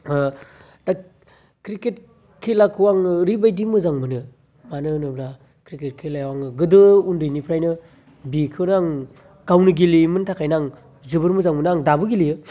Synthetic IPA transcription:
da | kɾiket̚ | kʰilakʰɯwaŋɾibajdimɯzaŋmɯnɯ | manɯnɯbla | kʰɾiket̚kʰelajwaŋɯɡɯdɯundɯjnipʰɾajnɯ | bikʰɯnaŋ | ɡawnɯɡilimɯntʰakʰajnaŋ | zɯbɯɾmɯzaŋmɯnaŋdabɯɡilijɯ

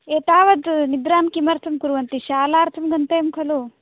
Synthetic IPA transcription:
eːt̪aːʋɐd̪nid̪ɾaːmkimɐɾt̪ʰɐmkuɾuʋɐnt̪iʃaːlaːɾt̪ʰɐmɡɐnt̪eːmkʰɐlu

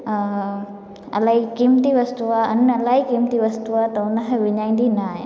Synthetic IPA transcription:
ɐ̰laːɦikiːmt̪iʋɐst̪uaɐnɐlaːɦikiːmt̪iʋɐst̪uʋat̪ɐʊnɐɦʋɪɲaːĩnd̪inaːɦe

